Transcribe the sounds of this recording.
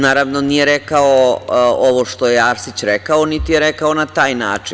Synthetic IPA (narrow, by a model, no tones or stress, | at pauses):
naːɾaʋnonijeɾekaooʋoʃt̪ojeaɾsit͡ɕɾekaonit̪ijeɾekaonat̪aːjna̰ːt͡ʂin